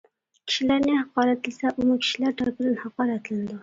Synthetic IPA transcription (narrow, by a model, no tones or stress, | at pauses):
kʲʰi̥ʃilæɾnɪhɑqɑːɾæt̪lɪsɛʔumukʲʰi̥ʃilæɾt̪ʰæɾpʰɪd̪ɪnhɑqɑːɾæt̪lɪnɪd̪u